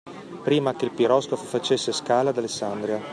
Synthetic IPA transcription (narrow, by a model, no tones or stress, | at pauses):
pɾiːmakelpiɾɔskofofat͡ʃesːeskaːlad̪alesːand̪ɾia